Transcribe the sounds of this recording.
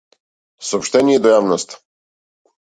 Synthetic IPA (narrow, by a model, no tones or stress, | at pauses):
soːpʃt̪ɛnʲiɛd̪ojavnost̪